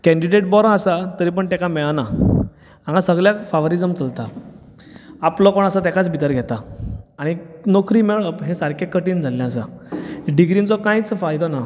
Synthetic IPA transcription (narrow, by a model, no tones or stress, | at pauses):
kɛ̃ɳɖiɖeʈ̚bɔɾãasat̪əɾiːp̬əɳt̪ɛ̃kamɛɭana | ãŋɡasəɡɭjafaʋɾid͡zəmt͡səlt̪a | aplɔkoɳasat̪̬ɛ̃kat͡sbʱit̪əɾɡʱɛt̪aaɽ̃inokʰɾiːmeɭɦẽsaɾkʰekːəʈiːnd͡zʱalːjãːsa̰ɖiɡɾint͡sɔkãjt͡sfajt̪ɔna